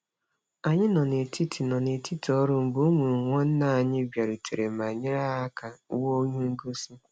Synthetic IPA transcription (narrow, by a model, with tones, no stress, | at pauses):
a˨ɲɪ˦nɔ˨ne˨ti˦tʰi˨nɔ˨ne˨tʰi˦tɔ˦ɾʊ˦m̩˨bu˦mʷu˨ɾu˨ŋʷɔ˦n̩˦na˦˨a˨ɲɪ˦bja˨ɾu˨tʰe˨ɾe˨ma˨ɲɪ˦ɾa˦a˦ka˨u˦wo˦ɲu˦ŋ̩˦ɡo˦si˦